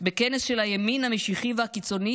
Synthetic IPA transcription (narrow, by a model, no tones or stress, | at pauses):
bekenesʃelhajeminhameʃiχivehakit͡so̞ni